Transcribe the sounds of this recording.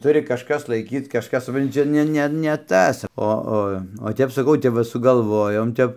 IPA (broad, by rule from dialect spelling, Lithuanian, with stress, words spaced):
ˈtʊrʲɪ kɐʃˈkɐs lˠɐɪˈkʲiːt kɐʃˈkɐs sʊpˈrɐnʲtʲɪ ˈt͡ʃʲɛ ˈnʲɛ ˈnʲɛ nʲɛ ˈtɐs ˈoː ˈoː oː ˈtʲɛp sɐˈkɐʊ ˈtʲɛp ʋɐ sʊɡɐlˠˈʋoːjoːm ˈtʲɛp